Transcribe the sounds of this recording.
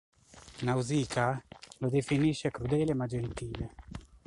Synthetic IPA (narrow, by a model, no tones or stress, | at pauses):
nauziːkalod̪efiniʃːɛkɾud̪ɛːlemad͡ʒent̪iːle